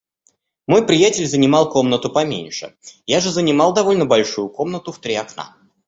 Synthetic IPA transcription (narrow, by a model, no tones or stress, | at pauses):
mo̞jpɾʲɪjatʲɪlʲzənʲɪmɑlˠko̞mnət̪ʊpɐmʲḛnʲʂɨ̰jaʐɨzənʲɪmɑlˠd̪ɐvo̞lʲnəbɐlʲʂujʊko̞mnət̪ʊft̪ɾʲiɐkna̰